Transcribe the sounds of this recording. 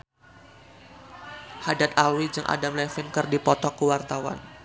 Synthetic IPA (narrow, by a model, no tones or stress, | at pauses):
hadat̪alwid͡ʒɨŋʔa̰damlɛfinkɨrdipɔt̪ɔkːuwart̪awa̰n